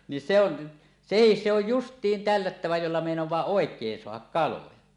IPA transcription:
ni se on sehis se oj justˑiːn tælːætːæʋæ jolːɑ meˑinowˑɑː oˑekˑeːn soɑhɑk kɑlojɑ

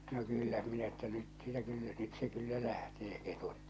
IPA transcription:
no kylːæ minæ tːæ nyt sĭtæ kylːæ nyt se kylːæ læhteː ketut

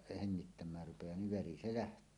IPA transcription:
heŋːitːæmˑæːr rupejɑː niʋ ʋeri se læhtˑøː

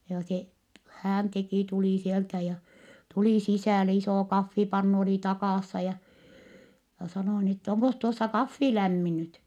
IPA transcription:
joː se hæːn teki tuliˑ sieltæ jɑ tuli sisæˑle isoˑ kɑfːipɑnːu oli tɑkɑˑsːɑ jɑ jɑ sɑnoˑ ni tːæ oŋkos tuosːɑ kɑfːi læmːi nyt

